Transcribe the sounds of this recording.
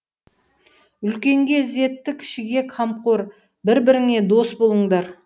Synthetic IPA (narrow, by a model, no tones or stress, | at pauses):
ʏlkʲe̞ŋɡʲe̞ze̞t̪ːɪkʲʰɪ̥ʃɪɡʲe̞qʰɑmqoɾ | bɪɾbɪɾɪŋe̞d̪o̞sbo̞lˠəɴd̪ɑɾ